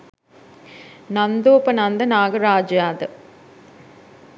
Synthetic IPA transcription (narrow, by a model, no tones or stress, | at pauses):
nɐnd̪oːpɐnɐnd̪ɐnaːɡɐɾaːd͡ʒjaːd̪ɐ